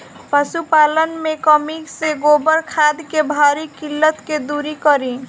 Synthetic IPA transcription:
pəsupalənmekəmikseɡobəɾkʰad̪kebʱaɾikilːət̪ked̪uɾikəɾi

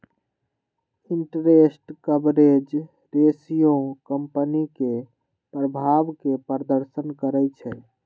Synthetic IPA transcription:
iɳʈɾesʈkəbɾed͡ʒ | ɾesijõkəmpənike | pɾəbʱaʋkepəɾd̪əɾsənkəɾɛt͡ʃʰɛ

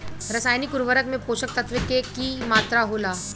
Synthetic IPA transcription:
ɾɐsaːjnikuɾʋəɾəkmẽpoːɕək̚t̪ət̪ʰʋəkekimaːt̪ɾaɦolaː

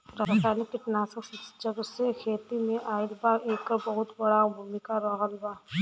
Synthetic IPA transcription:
ɾasanikːiʈnasɔksisi̥d͡ʒaɡɔsekʰet̪imeʔajlbaekɔɾbɔɦut̪bɔɽawbʱumikaɾɔɦɔlba

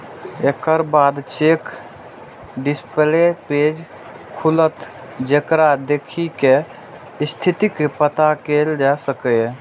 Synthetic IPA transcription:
ekəɾbad̪t͡ʃek | ɖispleped͡ʒ | kʰulət̪d͡ʒekɾad̪ekʰike | st̪ʰit̪ikepət̪akeld͡ʒasəkɛ

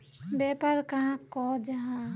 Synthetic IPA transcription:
bɛːpəɾkɐɦãkɔd͡ʒɐɦã

